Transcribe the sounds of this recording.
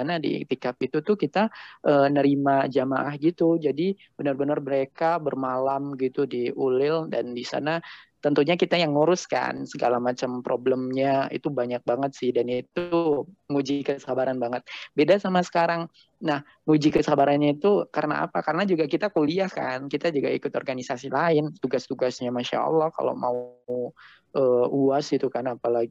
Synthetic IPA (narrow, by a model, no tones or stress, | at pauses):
anadḭt̪ikap̪̚it̪ut̪ukit̪aʔənəɾimad͡ʒamaʔahɡit̪ud͡ʒadi | b̥ənərbənərməɾekabərmalamɡit̪udiʔulɪldandisa̰nat̪ənt̪uɲakit̪ajaŋːuɾʊska̰nsəɡalamat͡ʃampɾobləmɲaḭt̪ubaɲak̚baŋət̪̚sɪhdanit̪uŋud͡ʒikəsəhabaɾanbaŋət̪̚bedasamasə̥kaɾaŋ | nah | ŋud͡ʒikəsəabaɾanɲait̪ukaɾəna̰a̰pakaɾənad͡ʒuɡakit̪akuliahkankit̪ad͡ʒuɡaikʊt̪ɔ̰rɡanisasilaɪnt̪uɡast̪uɡasɲamaʃa̰ɑ̰lːɔhka̰lo̰mau | ʔəːuasit̪ukanapalaɡi